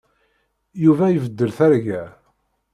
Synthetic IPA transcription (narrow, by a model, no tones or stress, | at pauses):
juvæjəvəd̪ːəlθæɾʝæ